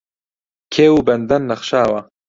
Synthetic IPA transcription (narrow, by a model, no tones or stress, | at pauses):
kʰeːwuːbɐnd̪ɐnːɐχʃaːwɐ